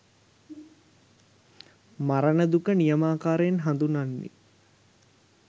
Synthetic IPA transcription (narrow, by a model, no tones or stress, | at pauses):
maɾənəd̪ukənijəmaːkaːɾeenɦand̪unanːḭ